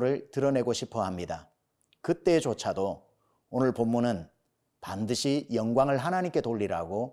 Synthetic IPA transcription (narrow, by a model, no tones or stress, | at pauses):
ɾɯɭtɯɾʌne̞ɡoɕʰipʰʌɦamɲida̰ | kɯt͈e̞ːt͡ɕot͡ɕʰado | onɯɭpomːunɯn | pandɯɕʰijʌŋɡwaŋɯɭɦanaɲimk͈e̞toʎːiɾa̰ɡo